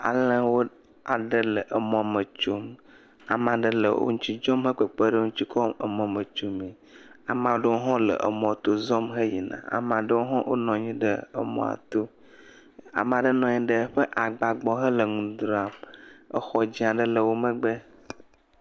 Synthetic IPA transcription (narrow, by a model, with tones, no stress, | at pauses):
a̰˨lə̃˦wo˦ | a˨ɖə˦lə˨ʔə˨mɔ̃˨mə˨t͡ʃo˦m | a˨mã˨ɖə˦lə̰˨wʔo̰˦ŋũ˦t͡ɕi˦d͡ʒɔ˦mɦə˦k͡pə˨k͡pə˦ɖə˦ŋũ˦t͡ɕi˦kʰɔ˦ə̰˨mɔ̃˨mə˨t͡ʃo˨mĩ˨ | a˨mã˨wo˦ɖə˦wo˦ɦɔ̃˦lə̰˨ʔə̰˨mɔ̃˨t̪o˦zɔ˦mɦə˦ji˨nã̰˨a̰˨m˨ã˨ɖə˦wo˦ɦɔ̃˦wʔo̰˦nɔ̃˨ɲĩ˦ɖə˦ə˨mɔ̰̃˨a̰˨t̪o˦ | a̰˨m˨a˨ɖə˦nɔ̃˨ɲĩ˦ɖə˦ɸə˦ʔa˨ɡ͡ba˨ɡ͡bɔ˦ɦə˦lə˨ŋũ˨d̪ɾa˨mə˦xɔ˨d͡ʑĩ˦a˨ɖə˦lə˨wo˦mə̃˦ɡ͡bə˦